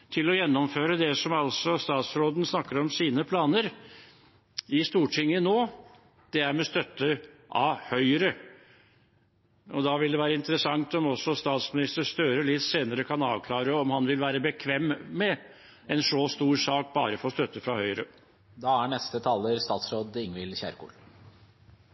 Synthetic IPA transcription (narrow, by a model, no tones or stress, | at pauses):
t̪ʰɪlɔjɛnːɔmføːɾəd̪ɛsɔmɑlsɔst̪ɑːt̪sɾoːd̪n̩snɑkːəɾɔmsiːnəpʰlɑːnəɾ | ɪst̪uːʈʰɪŋːənoː | d̪̥ɛæɾmɛst̪œt̪ːəʔɑ̰ʋhœʏəɾə | ɔd̪ɑʋɪld̪ɛʋæːɾəɪnt̪əɾəsɑŋt̪ɔmɔsɔst̪ɑːt̪smɪnɪst̪əst̪øːɾəɭɪt̪seːnəɾəkʰɑnɑːʋkʰlɑːɾəɔmhɑnʋɪlʋæːɾəbəkʰʋɛmːmɛ | ɛnʂoːst̪uːɾsɑːk̚bɑ̰ːɾəfɔst̪œt̪ːəfɾɑhœʏəɾə | d̪ɑːæɳɛst̪ət̪ʰɑːləɾst̪ɑːt̪sɾoːd̪ɪŋʋɪlɕæ̰ɾkṵːl